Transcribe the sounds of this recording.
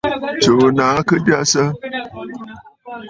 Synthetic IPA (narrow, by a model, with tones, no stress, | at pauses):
t͡ʃo˨naː˨˦kə˦ba˦sə˦